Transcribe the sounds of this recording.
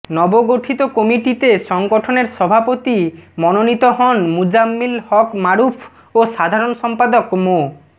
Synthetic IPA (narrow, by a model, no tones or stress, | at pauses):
nɔboɡoʈʰit̪okɔmiʈit̪eʃɔŋɡoʈʰoneɾʃɔbʱapot̪imɔnonit̪oɦɔnmud͡ʑamːilhɔkmaɾupʰ | oʃad̪ʱaɾonʃɔmpad̪okmo